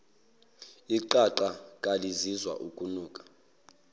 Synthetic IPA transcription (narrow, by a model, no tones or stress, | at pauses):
iǃaǃakʼalizizwa̰ʔukʼunuːkʼḁ